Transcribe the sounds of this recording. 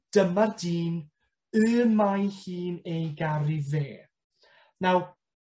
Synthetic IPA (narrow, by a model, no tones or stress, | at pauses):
d̥əmardiːn | ɨnmajhiːnejɡaɾiðeː | naw